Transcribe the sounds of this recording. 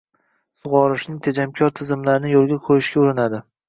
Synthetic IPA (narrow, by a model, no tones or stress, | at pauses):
sʊʁɒɾɪʃnɪŋt̪ʰed͡ʒamkʲʰɒɾt̪ʰɪzɪmlaɾɪnɪjolˠɡʲaqʰojɪʃkʲauɾɪnad̪ɪ